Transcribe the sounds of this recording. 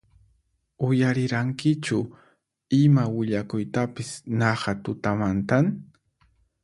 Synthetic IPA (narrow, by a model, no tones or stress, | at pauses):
ʊjaɾɪɾaŋkɪt͡ʃʊ | ɪmawɪʎakʊjt̪apɪsnɑɢɑt̪ʊt̪amant̪an